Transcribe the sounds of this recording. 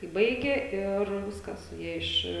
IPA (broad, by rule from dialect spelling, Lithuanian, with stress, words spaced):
kɐɪ ˈbɐɪɡʲeː ɪr ˈʋʲɪskɐs ˈjiɛ ɪʃ